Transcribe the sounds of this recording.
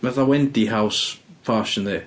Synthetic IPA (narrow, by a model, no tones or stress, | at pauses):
maθawɛndiɦawsfʰaːʃənðeː